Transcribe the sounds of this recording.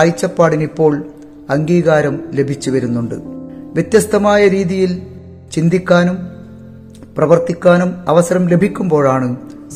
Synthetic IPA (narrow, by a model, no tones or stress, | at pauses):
jit͡ɕːɐpːaːɽinipːo̞ːɭ | ɐŋɡiːɣaːɾɐmle̞bʱit͡ɕːuʋɐɾunːuɳɖɨ̰ʋjet̪jɐst̪ʰɐmaːjɐɾiːðijil | t͡ɕind̪ikʲːaːnum | prɐʋɐrt̪ikʲːaːnumɐʋɐsɐɾɐmle̞bʱikʲːumbo̞ːɻaːɳɨ